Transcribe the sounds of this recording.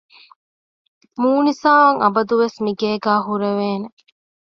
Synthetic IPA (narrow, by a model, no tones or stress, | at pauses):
muːnisaːɐŋʔɐbɐd̪uʋesmiɡeːɡæːɦuɾeʋeːne